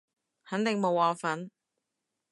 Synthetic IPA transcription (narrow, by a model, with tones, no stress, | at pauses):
hɐ˨˥nt̪ɪ˨ŋmo˨˧waː˨˩fɐ˨˥n